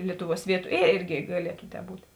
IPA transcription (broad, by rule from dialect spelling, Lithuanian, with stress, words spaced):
ˈlʲiɛtʊˌʋuɔs ˈʋʲiɛtʊ eː ˈeːrʲɡʲɪ ɡɐˈlʲiɛtʊ tʲɛː ˈbuːtʲ